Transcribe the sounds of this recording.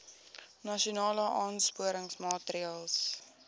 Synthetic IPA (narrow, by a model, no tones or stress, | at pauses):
nɐʃiunɑːləʔɑːnspuəɾəŋsmɑːtɾiɑːlˠs